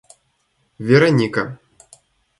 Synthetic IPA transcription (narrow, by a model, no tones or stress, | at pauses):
vʲɛɾɐnʲikɐ